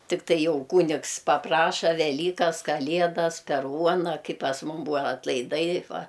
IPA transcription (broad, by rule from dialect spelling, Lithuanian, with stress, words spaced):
tʲɪkˈtɐɪ ˈjɛʊ ˈkuːnʲɪks pɐˈprɑːʃɐ ʋʲɛˈlʲiːkɐs kɐˈlʲiɛdɐs pʲɛr ˈuɔnɐ ˈkɐɪ pɐs ˈmʊm ˈbuːʋɐ ɐtlˠɐɪˈdɐɪ ˈʋɐ